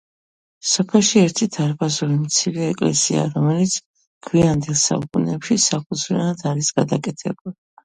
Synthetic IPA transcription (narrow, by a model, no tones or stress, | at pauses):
sɔpʰɛlˠʃiɛɾt̪ʰid̪ʰaɾbazuɾimt̪sʰiɾɛɛkʼlɛ̰sia̰ɾɔmɛlit̪sʰ | kʰwiand̪ɛlˠsa̰ukʼunɛːpʃisapʰud̪zvianad̪aɾisɡ̥ad̪akʼɛt̪ʰɛbuli